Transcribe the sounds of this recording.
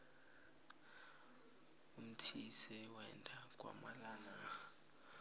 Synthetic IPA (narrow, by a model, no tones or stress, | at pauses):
um̩tʰisɛwɛɛ̰ndʰʱʼak̬ʼwa̰malaːna